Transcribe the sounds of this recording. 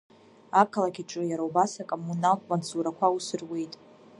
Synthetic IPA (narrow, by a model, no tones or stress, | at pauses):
ap̚kʰalakʲiʈ͡ʂʼɨjaɾaubasakʼomunakʼmansʰuɾakʷʰausɨrwejtʼ